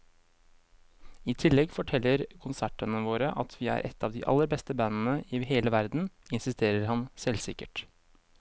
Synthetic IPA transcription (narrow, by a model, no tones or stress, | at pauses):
ɪːt̪ʰɪlːɛɡfɔʈʰɛlːəɾkʰʊnsæʈənəʋoːɾəʔɑt̪ʰʋiːæ̰ːɾʔɛ̰t̪ːɑːʋd̪ḭːʔɑ̰lːəɾbɛst̪əbɑnn̩əʔɪːɦeːləʋæɾd̪n̩ɪnsɪst̪eːɾəɾhɑnsɛlsɪkəʈ